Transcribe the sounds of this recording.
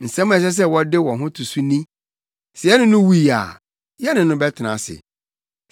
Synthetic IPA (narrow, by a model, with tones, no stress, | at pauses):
n̩˨sɛ̃˦mʊ̃˦ɛ˨ɕ̬ɛ˦s̬ɛ˦wɔ˦dɪ˦wɔ̃˨ɦʊ̃˦tʰu˨su˦nĩ˦ | sɪ˨ɛ˦nʊ̃˦nʊ̃˦wu˦i˨a̰˨ | jɛ˦nɪ̃˨nʊ̃˦bɛ˦tʰɪ˨nã̰˨sɪ̰˨